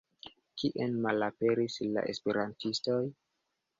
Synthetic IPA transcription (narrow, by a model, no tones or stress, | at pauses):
kiʔenmalape̞ɾisla̰ʔe̞spe̞ɾantistoj